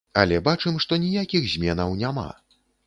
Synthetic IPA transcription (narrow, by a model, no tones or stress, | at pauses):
ɐlʲɛbat͡ʂɨmʂt̪ɔnʲijakʲixzʲmʲɛnɐwnʲama̰